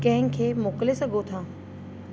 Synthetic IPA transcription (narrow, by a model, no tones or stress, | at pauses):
kɐ̃ɦɪ̃kʰeːmoːklesɐɡʱot̪ʰãː